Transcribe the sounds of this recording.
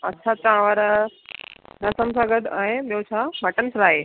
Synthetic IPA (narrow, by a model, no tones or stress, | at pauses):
ɐtːʃʰat̪ɐãʋaɾa | nɐsəmsãɡəd̪ãːĩɓijot͡ɕʰamɐʈənsɾaːɦeː